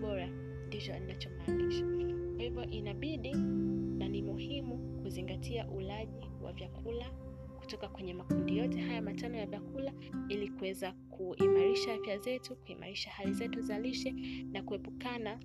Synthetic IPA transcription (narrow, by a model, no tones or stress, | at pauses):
ɓɔɾa | ndit͡ʃɔinat͡ʃɔmaniʃakwahivɔʔinaɓiɗinanimuhimukuziŋɡatʰiaʔulaʄi | wa̰vjakʰula | ku̥tɔkakwɛɲɛmakundijɔtɛɦajamatanɔjavjakula | ilikuwɛzakʰuimaɾiʃaafjazɛtukuima̰ɾiʃahalizɛtuzaliʃɛnakuɛpukana